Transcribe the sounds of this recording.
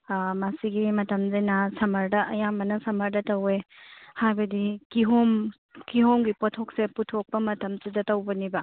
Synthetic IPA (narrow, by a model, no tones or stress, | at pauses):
masiɡimɐtɐmzɐjnɐsɐmɐɾdɐʔɐjamɐnɐsɐmɐɾdɐtɐwehajbɐdikiɦom | kiɦomɡipotʰokseputʰok̚pɐmɐtɐmsidɐtɐwbɐnibɐ